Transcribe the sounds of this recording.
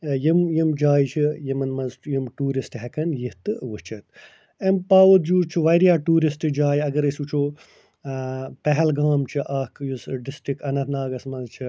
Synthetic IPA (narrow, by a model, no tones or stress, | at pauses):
jimjimd͡ʒaːjt͡ʃʰijimɐnmɐzjimʈuːɾisʈɦɛkɐnjiht̪ɨʋɨt͡ʃʰɐt̪ | empaːʋut̪̚d͡ʒuːt͡ʃʰiʋɐjɾjaːʈuːɾisʈɨd͡ʒaːjɐɡɐɾɐsut͡ʃʰoː | pɛɦɛlɡaːmt͡ʃʰiʔɐːkjusɖɪsʈɾikɐnɐt̪ʰnaːɡɐsmɐzt͡ʃʰi